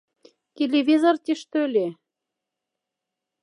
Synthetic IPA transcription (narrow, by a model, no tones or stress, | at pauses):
t̪ʲelʲevʲizort̪ʲiʃt̪ølʲe